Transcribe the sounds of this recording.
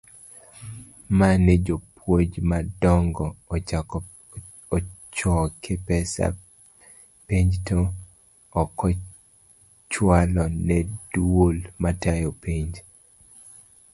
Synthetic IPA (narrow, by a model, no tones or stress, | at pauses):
manɛd͡ʒopʰwod͡ʒmadɔŋɡɔ | t͡ʃɔkʰɪpɛsa̰ | piɲd͡ʒto | ɔkɔ | t͡ʃwalɔnɛd̥wolmatajopiɲd͡ʒ